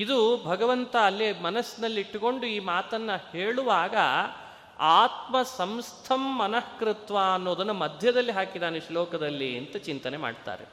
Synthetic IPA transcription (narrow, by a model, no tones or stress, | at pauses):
id̪ubʱɐɡɐʋɐnt̪ɐːlːimɐnɐsːnɐlːiiʈːuko̞ɳɖuiːmaːt̪ɐnːɐheːɭuʋaːɡɐ | aːt̪mɐsɐmst̪ʰɐmːɐnɐhkɾɪt̪ʋaːɐnːoːd̪ɐnːumɐd̪ʱjɐd̪ɐlːiɦaːkid̪aːneʃlɔːkɐd̪ɐlːiɐnt̪ɐt͡ʃint̪ɐne̞ma̰ːɖt̪a̰ːɾe